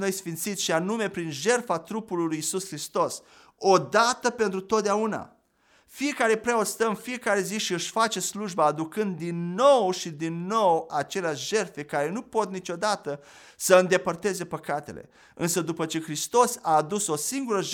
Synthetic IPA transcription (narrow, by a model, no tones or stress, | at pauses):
no̞jsfint̪sit̪sʃianume̞pɾinʒe̞rfat̪ɾupulilujːsuskɾist̪o̞s | o̞d̪at̪əpe̞nt̪ɾut̪ot̪̚d̪eauna̰ | fije̞kaɾe̞pɾeost̪əmfije̞kaɾe̞ziʃiɨʃʲfat͡ʃe̞sluʒbaːd̪ukɨnd̪ːinːo̞wʃid̪inːo̞wat͡ʃe̞leaʃʒe̞rfe̞kaɾe̞nupo̞t̪̚nit͡ʃo̞d̪at̪ə | səɨnd̪e̞pərt̪e̞ze̞pəkat̪e̞le̞̰ | ɨnsəd̪upət͡ʃe̞xɾist̪o̞saːd̪uso̞siŋɡuɾəʒ